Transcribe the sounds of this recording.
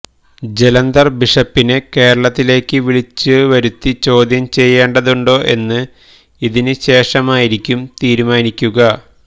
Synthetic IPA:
d͡ʑe̞lɐnd̪ɐrbiʂɐpːineke̞ːɾɐɭɐt̪ːile̞ːkːɨʋiɭit͡ɕːɨʋɐɾut̪ːit͡ɕo̞ːd̪ʱjɐmt͡ɕe̞jːe̞ːɳɖɐðuɳɖo̞ːʔe̞nːɨ | iðinɨɕe̞ːʂɐmaːjiɾikʲːumt̪iːɾumaːnikʲːuɣɐ

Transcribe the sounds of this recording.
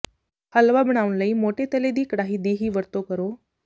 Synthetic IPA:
həlʋabɳ̃aʋnləiːmoʈet̪əled̪iːkɽaɦiːd̪iɦiːʋəɾt̪okəɾo

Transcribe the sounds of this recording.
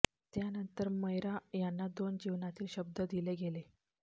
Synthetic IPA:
t̪janənt̪əɾməjɾajanːad̪ond͡ʑiʋnat̪iːlɕəb̚d̪əd̪ileɡele

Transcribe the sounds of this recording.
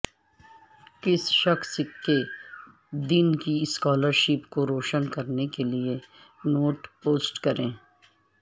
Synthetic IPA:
kɪsʃɐxske | d̪ɪnkiɪskaːləɾʃɪpkoɾoːʃənkɐɾnekelie | noːʈpoːsʈkɐɾẽː

